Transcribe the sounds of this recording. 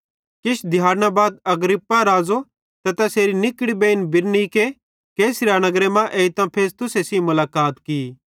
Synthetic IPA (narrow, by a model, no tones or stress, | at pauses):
kɪʃd̪ʱjaːɾnabaːd̪̚ɐɡɾɪpːaɾaːzo | t̪ɐt̪ɐseːɾinɪkɽibeːnbɪɾnike | keːsɾanɐɡɾemãʔeːit̪ãpʰeːɾst̪ʊsesĩmʊlaːkaːt̪kiː